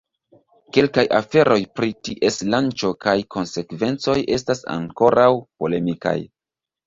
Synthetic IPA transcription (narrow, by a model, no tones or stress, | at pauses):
ke̞lkajʔafe̞ɾo̞jpɾitiʔe̞slant͡ʃo̞kajkʰo̞nse̞kve̞nt͡so̞je̞stasa̰ŋko̞ɾawpo̞le̞mika̰j